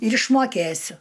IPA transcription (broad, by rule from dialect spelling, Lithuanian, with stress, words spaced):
ɪr ɪʃmoːˈkʲeːsʲʊ